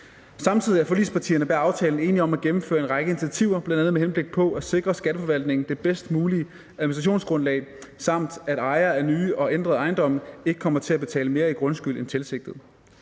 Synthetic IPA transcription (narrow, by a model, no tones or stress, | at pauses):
sɑ̈mt͡sʰið̞̰ˠiæɐfɒ̽lḭspʰɑ̈t͡sʰḭːɐnəb̥æɐɑ̈ʊt͡sʰɛːln̩e̝ːniɒ̽mæɡ̥emm̩fø̰ːɐe̝nʁɑ̈ɪɡ̥əe̝ni̥t͡sʰiæt͡sʰiʊɐb̥lænd̥ænð̩ˠmeɦenb̥le̝ɡ̥̚pʰɒ̽ʔæse̝ɡ̥ʁɐsɡ̥æɾ̥əfɒʋæl̰d̥ne̝ŋn̩d̥e̝b̥esd̥əmuːliə | ʔæðˠmisdʁɑɕo̝̰ːnsɡ̥ʁɔ̽nlɛ̰ɪsɑ̈m̰d̥æɾ̥ɑ̈ɪɐːæɐnyːɒ̽end̥ʁɐðˠɑ̈ɪnd̥ɒ̽mn̩e̝ɡ̥əkʰɒm̰ɐt͡sʰe̝æb̥e̝t͡sʰɛ̰ːləme̝ːɐiɡ̥ʁɔ̽nsɡ̥yl̰ent͡sʰelse̝ɡ̥̚d̥ð̩ˠ